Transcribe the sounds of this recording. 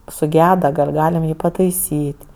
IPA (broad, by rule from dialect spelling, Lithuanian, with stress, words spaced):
sʊˈɡʲæːdɐ ɡɐlʲ ˈɡɑːlʲɪm ˈjiː pɐtɐɪˈsʲiːtʲ